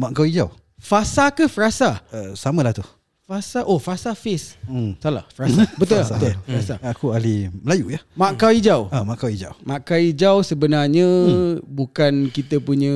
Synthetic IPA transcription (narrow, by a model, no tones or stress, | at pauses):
maʔkawid͡ʒaw | fasakəfərasaəsamə̃laht̪u | fasaʔohfasafɪssala̰hfəɾasabət̪ulabəufɾasaakualiməlajujahmakawid͡ʒawamaʔkawid͡ʒa̰wmakawid͡ʒawsəbənarɲəbukankit̪əpuɲə̃